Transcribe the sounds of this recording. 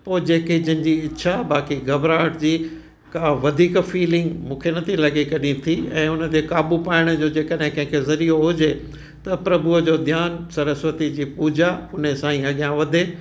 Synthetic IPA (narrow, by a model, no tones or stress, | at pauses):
poːd͡ʑeːked͡ʑənɪ̆d͡ʑiɪtːʃʰabaːkiɡɐbɾaːʈd͡ʑiː | kãːʋɐd̪ʱiːkfiːlɪ̃ŋɡmũːkʰenɐt̪ʰilɐɠekɐɗĩt̪ʰiɛ̰̃ːʊnə̆t̪ekaːbupaːɪɽ̃̆d͡ʑoːd͡ʑeːkəɗɦɪ̃kɐ̃ɦɪ̃kʰezɐɾioɦʊd͡ʑe | t̪ɐpɾɐbʊəd͡ʑoːd̪ʱjaːnsɐɾəsʋət̪id͡ʑiːpuːd͡ʑaʊnəsãːĩɐɠijãʋɐd̪ʱe